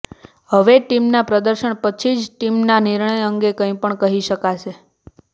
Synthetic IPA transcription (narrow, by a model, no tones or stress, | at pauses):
ɦəʋeʈimnapɾəd̪əɾʃəɳpət͡ʃʰid͡ʒʈimnaniɾɳ̃əjəŋɡekə̃ĩpəɳkəɦiʃəkaʃʰe